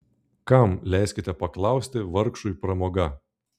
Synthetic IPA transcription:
kɐmlʲæˑɪsʲkʲɪt̪ʲɛpɐklˠɑˑʊsʲt̪ʲɪʋɐɾkʃʊipɾɐmoːɡɐ

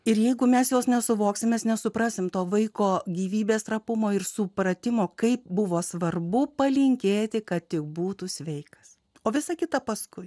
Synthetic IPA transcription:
ɪɾjɛɪɡʊmʲɛsjoːsnʲɛsʊʋoːksʲɪmʲeːsnʲɛsʊpɾɑsʲɪmt̪oːʋɐɪkoːɡʲiːʋʲiːbʲeːst̪ɾɐpʊmoːɪrsʊpɾɐt̪ʲɪmoːkɐɪp̚bʊʋoːsʋɐrbʊpɐlʲɪŋʲkʲeːt̪ʲɪkɐt̪t̪ʲɪk̚buːt̪usʲʋʲɛɪkɐ̥s | oːʋʲɪsɐkʲɪt̪ɐpɐskʊɪ

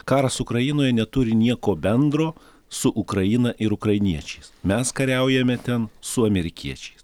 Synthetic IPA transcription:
kɑːɾɐsʊkɾɐjinoːjɛnʲɛt̪ʊɾʲɪnʲiɛkoːbʲɛnd̪ɾoː | sʊʔʊkɾɐjinɐʔɪɾʊkɾɐjɪnʲiɛt͡ʃʲɛɪsmʲɛskɐɾʲɛʊjɛmʲɛt̪ʲɛnsʊɐmʲɛɾʲɪkʲiɛt͡ʃʲɛ̥ɪs

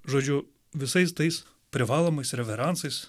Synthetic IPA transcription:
ʒɔd͡ʒʲʊ | ʋʲɪsɐjst̪ɐjs | pɾʲɪʋɑlˠɔmɐjsɾʲɛʋʲɛɾɑnt̪sɐjs

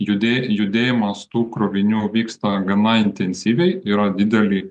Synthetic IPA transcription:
jʊd̪ʲejʊd̪ʲeːjɪmɐst̪uːkɾoːʋʲɪnʲuːʋʲiːkst̪ɑɡɐnɐɪnʲt̪ʲɛnʲsʲiːʋʲɛɪiːɾɐd̪ʲɪd̪ʲɛlʲi

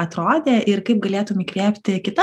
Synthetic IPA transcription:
ɐt̪ɾoːd̪ʲeːʔɪrkɐɪp̚ɡɐlʲeːt̪ʊmikʋʲiːpʲt̪ʲɪkʲɪt̪ɐ

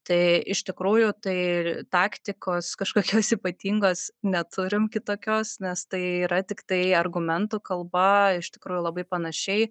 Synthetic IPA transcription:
t̪ɐɪɪʃʲt̪ʲɪkɾuːjʊt̪ɐɪt̪ɑːkt̪ʲɪkoːskɐʃkoːkʲoːsiːpɐt̪ʲiːŋɡoːsnʲɛt̪ʰʊɾʲɪmkʲɪt̪oːkʲoːsnʲɛst̪ɐɪiːɾɐt̪ʲɪkt̪ɐɪɐrɡʊmʲɛnt̪uːkɐlˠbɐɪʃt̪ʲɪkɾuːjʊːlˠɐbɐɪpɐnɐʃʲɛɪ

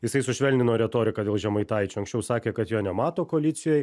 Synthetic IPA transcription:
jɪsɐɪsʊʃʲʋʲɛlʲnʲɪnoːɾʲɛt̪oːɾʲɪkɐːd̪ʲeːlˠʒʲɛmɐɪt̪ɐɪt͡ʃʲʊɐŋksʲt͡ʃʲɛʊsɑːkʲeːkɐt̪joːnʲɛmɑːt̪oːkoːlʲɪt̪sʲɪjoːj

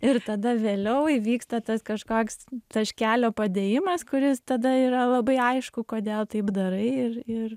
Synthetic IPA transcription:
ɪɾt̪ɐd̪ɐʋʲeːlʲɛʊiʋʲiːkst̪ɐt̪ɐskɐʃkoːkst̪ɐʃʲkʲæːlʲoːpɐd̪ʲeːjɪmɐskʊɾʲɪst̪ɐd̪ɐiːɾɐlˠɐbɐɪɐɪʃkʊkoːd̪ʲeːlˠt̪ɐɪpd̪ɐɾɐɪɪrɪr

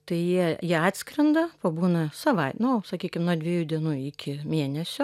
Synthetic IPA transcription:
t̪ɐɪjiɛjiɛɑːt̪ʲsʲkɾʲɐnd̪ɐpɐbuːnɐsɐʋɐɪtnʊsɐkʲiːkʲɪmnuɔd̪ʲʋʲiɛjuːd̪ʲiɛnuːɪkʲɪmʲeːnʲɛsʲʊ

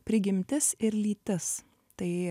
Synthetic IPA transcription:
pʲɾʲɪɡʲɪmʲt̪ʲɪsɪɾlʲiːt̪ʲɪs | t̪ɐɪ

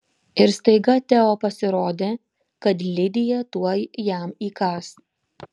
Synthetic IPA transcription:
ɪɾst̪ɐɪɡɐt̪ʲɛoːpɐsʲɪɾoːd̪ʲeː | kɐt̪lʲɪd̪ʲɪjɛt̪uɔjjæˑmiːkɑːs

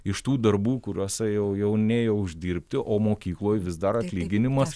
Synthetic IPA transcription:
ɪʃt̪uːd̪ɐrbuːkʊɾʲuoːsʲɛjɛʊjɛʊnʲeːjɛʊʒʲd̪ʲiːɾʲpʲt̪ʲɪʔoːmoːkʲiːklˠoːjʋʲɪzd̪ɐɾɐt̪ʲlʲiːɡʲɪnʲɪmɐs

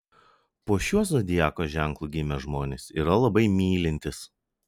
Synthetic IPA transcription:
poːʃʲuɔsɔd̪ʲɪjæːkoːʒʲæˑŋklˠuːɡʲɪmʲɛʒmoːnʲesiːɾɐlˠɐbɐɪmʲiːlʲɪnʲt̪ʲɪs

